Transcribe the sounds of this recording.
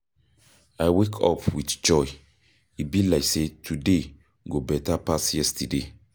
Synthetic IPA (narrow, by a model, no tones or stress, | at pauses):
ajwekʰɔ̰pʰwitd͡ʒɔj | ibilaɪksetʰude | ɡobɛtapasjɛstide